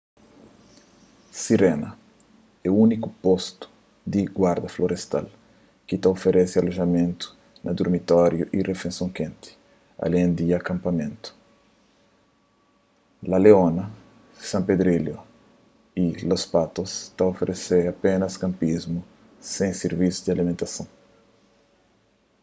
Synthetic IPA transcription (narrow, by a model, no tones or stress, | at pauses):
siɾenɐ | ɛunikupost̪u̥ | d̪iɡwaɾd̪ɐfloɾest̪a̰l | kit̪aofeɾʔesialoʒɐmẽnt̪u̥ | nɐd̪uɾmit̪ɔɾjuʔirefẽnsjõŋkẽnt̪i̥ | a̰lẽnd̪iakãmpɐmẽnt̪u̥ | lɐleonɐ | sãmped̪ɾiljo | ilospat̪ost̪aofeɾʔeseapenɐskãmpizmu | sẽŋseɾvisud̪ialimẽnt̪ɐsõŋ